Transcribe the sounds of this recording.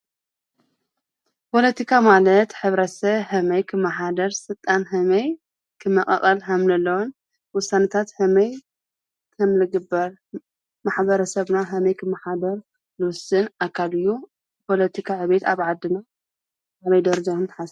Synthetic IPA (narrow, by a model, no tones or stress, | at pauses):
pʰo̞lɐt̪ʰikʰamalɐt̪ħɨβɾɐsɐβhɐmɐjkʰɨmːaħad̪ɐɾsɨlt̪ʼːanɦɐmɐj | kʰɨmːɐkʼɐ̰χʼɐlɦamlɐlːɐwon | wʊsanɐt̪ʰat̪hɐmɐj | kʰɐmlɨɡɨbɐɾ | maħbɐɾɐsɐβnaɦɐmɐjkʰɨmːaħad̪ɐɾ | lɨwʊsɨnʔakʰːalɨjːu | pʰo̞lɐt̪ʰikʰaʕɨβe̞t̪aβʕad̪ːɨna | hamɐjd̪ɐɾɐd͡ʒakʰɨnt̪ʰɨ̥ħas